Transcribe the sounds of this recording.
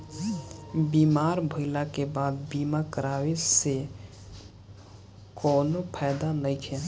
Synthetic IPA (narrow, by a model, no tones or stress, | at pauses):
bimaɾbʱəɪlakebad̪bimakəɾawese | konopʰajd̪anəjt͡ʃʰe